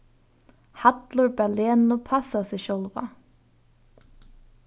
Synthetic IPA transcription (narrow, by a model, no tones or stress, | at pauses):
hɑd̪lʊɹbæleːnʊpʰɑsasɛʃœlʋa̰